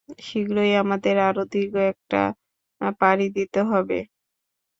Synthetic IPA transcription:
ʃiɡɾojamad̪eɾaɾod̪ʱiɡoɛk̚ʈa̰ | paɾid̪it̪eɦɔbḛ

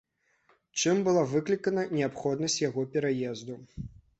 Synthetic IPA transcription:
t͡ʂɨmbɨlˠavɨklʲikɐnɐnʲɛapxɔd̪nɐsʲt͡sʲjaɣɔpʲɛɾajɛzd̪u

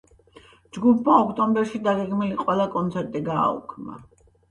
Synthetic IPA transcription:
d͡ʒɡupʰmaɔkʰt̪ʼɔmbɛɾʃid̪aɡɛɡmiliqʼwɛlˠakʼɔnt̪sʰɛɾt̪ʼiɡa̰ːṵkʰmna̰

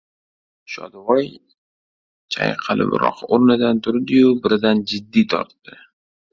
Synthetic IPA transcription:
ʃɒ̰d̪vɒj | t͡ʃʰa̰jqʰɑlɪ̰b̰ɾɒ̰qʰoɾnɪd̪ant̪ʰʊɾd̪ɪjʊbɪɾɪd̪and͡ʒɪd̪ːijt̪ʰɒ̰ɾt̪ːɪ

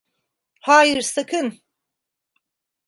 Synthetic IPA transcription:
haːjɨɾsakʰɯn

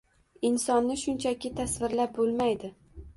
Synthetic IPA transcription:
ɪnsɒnːɪʃʊnt͡ʃʰakʲɪt̪ʰasvɪɾlap̚bolˠmajd̪ɪ

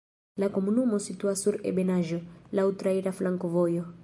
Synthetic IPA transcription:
lakomunumosit̪uasuɾḛbenaʒolawt̪ɾaiɾaflaŋkovojo

